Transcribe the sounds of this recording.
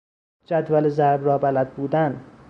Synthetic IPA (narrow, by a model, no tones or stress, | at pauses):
d͡ʒæd̪vælezæɾbɾɒːbælæd̪̚buːd̪æn